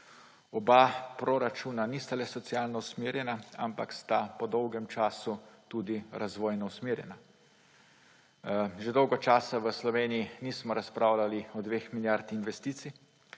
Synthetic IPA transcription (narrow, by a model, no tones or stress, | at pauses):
ɔbapɾɔɾat͡ʃuːnanist̪alɛsɔt̪sijaːlnɔusmeːɾjɛnaa̰mpa̰kst̪apɔd̪ɔwɡɛmt͡ʃaːsut̪ud̪iɾazʋɔːjnɔusmeːɾjɛ̰na | ʒed̪ɔwɡɔt͡ʃaːsaʋəslɔʋeːnijiniːsmɔɾaspɾaːwlaliɔd̪ʋeːxmiljaɾt̪inʋɛst̪iːt̪si